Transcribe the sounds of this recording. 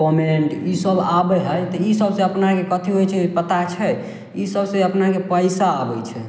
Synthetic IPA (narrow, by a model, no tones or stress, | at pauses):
pəɾmineɳʈisəlabɛɦəjt̪ɔisəbsẽəpnakekət̪ʰiɦojt͡ʃʰɛpət̪at͡ʃʰɛ | isəbsẽəpnakepəjsaːbɛjt͡ʃʰɛ